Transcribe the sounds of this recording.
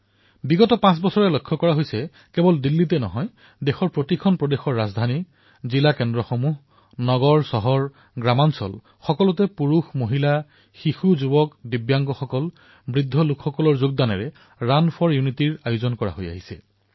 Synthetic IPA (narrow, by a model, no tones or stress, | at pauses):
biɡɔtɔpãs̬bɔsɔɹɛlokʰːɔkɔɹaɦojsɛ | kɛbɔldilːitɛnɔɦɔj | dexɔɹpotikʰɔnpɹɔdexɔɹːazdʱani | zilakɛndɹɔxɔmuɦ | nɔɡɔɹsɔɦɔɹ | ɡɹamansɔ̰l | xɔkɔlɔtɛpuɹuxmoɦila | xixuzubɔkdibjaŋɡɔxɔkɔl | bɹidʱːɔlukxɔkɔlɔɹzoɡ̚danɛɹɛ | ɹanpʰɔɹjunitiɹajʊzɔnkɔɹa̰ɦoja̰ɦisɛ̰